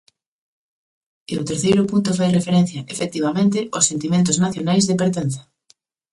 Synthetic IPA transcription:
eo̰t̪eɾθejɾʊpunt̪ofajrefeɾẽn̟θjaʔefek̚t̪iβamẽnt̪ɪʔosːent̪imẽnt̪̬ʊznaθjonajzðepeɾt̪en̟θḁ

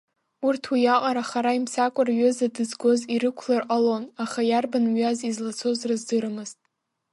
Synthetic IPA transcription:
urtʰwijaqʼaɾaχaɾaimsakʷʼʊrɥʏzadɨzɡʷo̞ziɾɨkʷʰlarqʼalo̞naχajarbanɥazizlat͡sʰo̞zrazdɨɾɨmɨz̥tʼ

